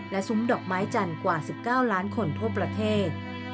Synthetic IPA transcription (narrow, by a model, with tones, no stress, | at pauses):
lɛ˦˥su˦˥mdɔː˨˩k̚maː˦˥jt͡ɕa˧nkwaː˨˩si˨˩p̚kaː˥˩wlaː˦˥nkʰo˧nt̪ʰu˥˩ɐpɾa˧t̪ʰeː˥˩t̪̚